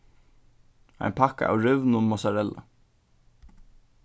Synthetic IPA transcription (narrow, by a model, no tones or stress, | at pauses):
ha̰jnpʰaka̰ʔa̰wɾʏvnʊmɔsaɾɛlːa̰